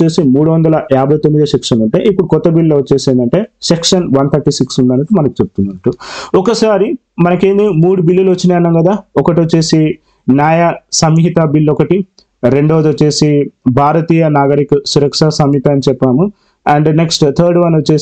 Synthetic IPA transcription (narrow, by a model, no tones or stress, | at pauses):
eːsimuːɽuʋɐnd̪ɐlɐjaːbʱɐjt̪omːid̪ɐsekʂɐnɐɳʈe̞̰ːʔipːuɽukɔt̪ːɐbilloːʋɐt͡ʃːeːseːnd̪ɐɳʈe̞ːsekʂɐnʋɐnt̪ʰɐɾʈisiksund̪ɐːnɐʈumɐnɐku̥t͡ʃep̚ut̪unːɐʈːuɔkɐsaːɾi | mɐnɐke̞ːnd̪imuːɽubilːilɐʋoɐt͡ʃːineːɐnːaːŋɡɐd̪aːɔkɐʈ̬iʋot͡ʃːeːsi | njaːjɐsɐmɦit̪ɐbilːɔkɐʈi | ɾe̞ɳɖoʋɐd̪ot͡ʃːeːsibʱaːɾɐt̪iːjɐnaːɡɐɾikusuɾɐkʂɐsɐmɦit̪ɐːɐnit͡ʃɛpːaːmu | ɐɳɖneksʈt̪ʰɐːɾɖʋɐnot͡ʃːeː